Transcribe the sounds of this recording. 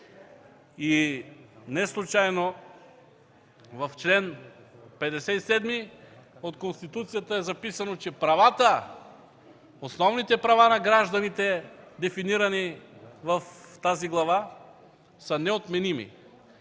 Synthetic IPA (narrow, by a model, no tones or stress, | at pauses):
i | nɛslˠut͡ʃajno | vɐft͡ʃlɛnpɛd̪ɛsɛisɛd̪miot̪konst̪it̪ut̪sijat̪əɛzɐpisɐnot͡ʃɛpɾɐvat̪ə | osnɔvnit̪ɛpɾɐvanɐɡɾaʒd̪ɐnit̪ɛd̪ɛfiniɾɐnivɐft̪aziɡlˠɐva | sənɛot̪mɛnimḭ